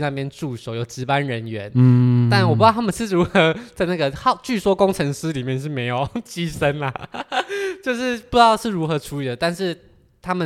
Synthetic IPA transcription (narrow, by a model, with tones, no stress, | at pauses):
na˥˧˩pjɛ˥nʈ͡ʂu˥˩ʂo˨˦ʊjo˨˩ʊʈ͡ʂɻ̩˧˥pa˦nɻə˧˦˥nɥɛ˧˦nt̪a˥˩nwɔ˨˩pu˧˥˩a˥mə˨nʂɻ̩˥˩ɻu˨˧˥xɤ˧˦t͡sa˥˧ɪna˥˩ɡə˩xɑ˥˧ʊt͡ɕy˥˩swɔ˥kʊ˥ŋʈ͡ʂʰɤ˧˥ŋsɹ̩˥li˨˩mjɛ˥˧nʂ̬ɻ̩˥˩me˧˥ɪjo˨˩ʊt͡ɕi˥˩ʂə˦˥nlə˨ | t͡ɕjo˥˧ʊʂɻ̩˥˩pu˧˥jɑ˥˧ʊʂɻ̩˥˩ɻu˧˥xɤ˧˥ʈ͡ʂʰu˥li˨˩d̪ə˩t̪a˥˧nʂɻ̩˥˩ | t̪ʰa˥mə˨